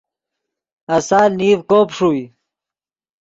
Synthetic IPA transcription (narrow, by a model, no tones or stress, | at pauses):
ɐsaːlniːvkoːpʂuːi